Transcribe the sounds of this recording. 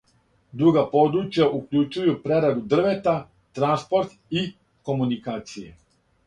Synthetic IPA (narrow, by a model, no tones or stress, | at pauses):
d̪ɾuɡapo̞d̪ɾut͡ʃjaʔukʎut͡ʃujupɾe̞ɾad̪ud̪r̩ʋe̞t̪a | t̪ɾanspo̞ɾt̪i | ko̞munikaːt̪sijḛ